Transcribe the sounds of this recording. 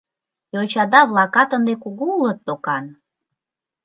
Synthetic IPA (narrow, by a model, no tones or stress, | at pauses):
jot͡ɕɑd̪ɑβlˠɑkɑt̪ənd̪ekuɣuulət̪̚ːokɑn